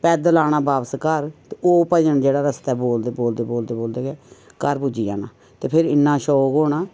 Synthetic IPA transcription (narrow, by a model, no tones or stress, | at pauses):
pɛːd̪laːɽ̃aːbaːʋskəɾt̪eoːpəjənd͡ʒeːɽaːɾəst̪ɛːboːld̪eːboːld̪eːboːld̪eːboːld̪eːɡɛː | kəɾpʊd͡ʒiːd͡ʒa̰ːnaː | t̪eːpʰɪɾɪnːaːʃoːɡoːɳaː